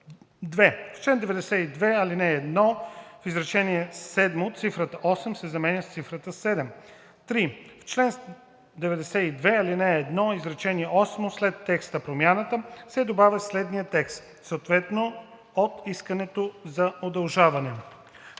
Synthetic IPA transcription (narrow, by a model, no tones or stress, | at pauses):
d̪vɛft͡ʃlɛnd̪ɛvɛd̪ɛsɛid̪vɛɐlinɛːd̪nɔfizɾɐt͡ʃɛniɛssɛd̪mot̪sifɾət̪əʔɔsɛmsɛzɐmɛnʲəst̪sifɾət̪əsɛd̪ɛm | t̪ɾift͡ʃlɛns | d̪ɛvɛd̪ɛsɛid̪vɛɐlinɛːd̪nɔizɾɐt͡ʃɛniɛʔɔsmoslɛt̪ːɛkst̪əpɾomjanət̪əsɛd̪obavʲjəslɛd̪nijət̪ɛkst̪ | soːt̪vɛt̪no | ot̪iskənɛt̪ozɐod̪ɐlˠʒavɐnɛ